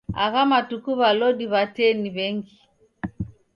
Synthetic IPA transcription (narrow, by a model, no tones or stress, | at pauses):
a̰ɣamatukuβalɔɗiβatɛniβɛŋɡi